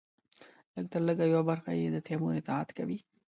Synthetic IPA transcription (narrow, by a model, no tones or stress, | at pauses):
ləɡ̚t̪əɾləɡajawabaɾxa̰jed̪ət̪ʰemunɪt̪ɪhad̪kawi